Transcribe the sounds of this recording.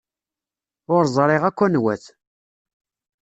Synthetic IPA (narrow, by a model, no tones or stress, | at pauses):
ʊɾzˤɾˤɪʁækʷːænwæ̰θ